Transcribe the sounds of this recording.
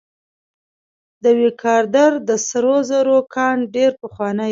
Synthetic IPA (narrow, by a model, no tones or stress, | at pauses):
d̪əwekʰɑɾd̪aɾd̪əsaɾozəɾokʰɑɳɖeɾpəxwɑnə